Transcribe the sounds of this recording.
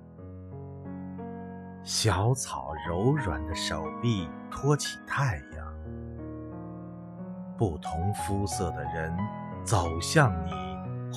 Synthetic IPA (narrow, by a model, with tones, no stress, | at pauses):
ɕjɑ˧˥ʊt͡sʰɑ˨˩ʊɻo˧˥ʊɻwa̰˨˩nd̪ə˦ʂo˨˩ʊpi˥˩ | t̪ʰwɔ˥t͡ɕʰi˨˩t̪ʰa˥˩ɪjɑ̰˥˩ŋ | pu˥˩t̪ʰʊ˧˥ŋfu˥sɤ˥˩d̪ə˩ɻə˧˥n | t͡so˨˩ʊɕjɑ˥˩ŋni˨˩˦